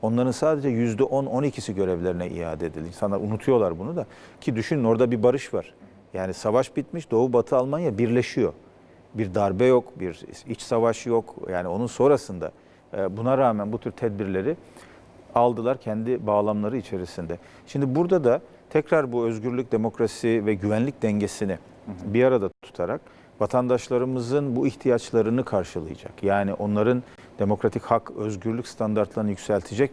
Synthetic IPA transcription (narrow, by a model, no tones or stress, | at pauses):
o̞nlˠaɾɯnsaːd̪e̞d͡ʒɛjyzd̪ɛʔo̞no̞nicʰisiɟø̞ɾɛvlʲe̞ɾinɛḭja̰ːd̪ɛd̪ilʲinsanˠa̰unut̪ʰujo̞lˠaɾbunud̪acʰid̪yʃynyno̞ɾd̪abibaɾɯʃvaɾ̥ | jaːnisavaʃbit̪miʃd̪o̞ːubat̪ʰɯalˠmanjabiɾlʲe̞ʃijo̞̰ | biɾd̪aɾbɛjo̞kbiɾit͡ʃsavaʃjokja̰ːnio̞nunso̞ːɾasɯnd̪a̰ | bunaɾaːmænbut̪ʰyɾt̪ʰɛd̪̚biɾlʲe̞ɾi | alˠd̪ɯlˠaɾcʰɛnd̪ibaːlˠamlˠaɾɯit͡ʃʰe̞ɾisind̪ɛ | ʃimd̪ibuɾd̪ad̪a | t̪ʰɛcɾaɾbuøzɟyɾlʲyc̚ʲd̪e̞mo̞kɾasivɛɟyvænlʲic̚d̪ɛɲɟe̞sinɪ | biaɾad̪at̪ʰu̥t̪ʰaɾak̚ | vat̪ʰand̪aʃlˠaɾɯmɯzɯnbuiçt̪ʰijat͡ʃlˠaɾɯnɯkʰaɾʃɯlˠɯ̰jɯ̰d͡ʒa̰kjaːniʔo̞nlˠaɾɯn | d̪̥e̞mo̞kɾat̪ʰichakøzɟyɾlʲycʲst̪ʰand̪aɾt̪lˠaɾɯnɯjycʲsælʲt̪ʰid͡ʒɛc̚